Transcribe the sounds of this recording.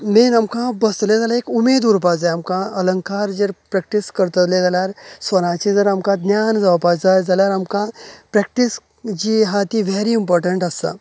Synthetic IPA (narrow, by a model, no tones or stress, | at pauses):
menamkãbəst̪led͡zalaekumed̪uːɾpad͡zajamkãələŋkaɾd͡zeɾpɾɛk̚ʈiskəɾt̪ət̪led͡zaljaɾsʋəñãt͡ɕid͡zəɾamkãd̪njand͡zaʋpad͡zajd͡zaljaɾamkãpɾɛk̚ʈis | d͡ʑiːɦat̪iʋeɾiːmpɔɾʈəɳʈəst̪a̰